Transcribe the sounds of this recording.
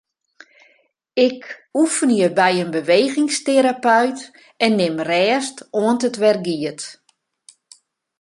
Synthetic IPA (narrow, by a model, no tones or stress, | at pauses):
ɪkufənjəbɛjənbəʋeːɣɪŋsteɾapœɥt | ɛnːɪmrɛːstoəntətʋɛrɡiət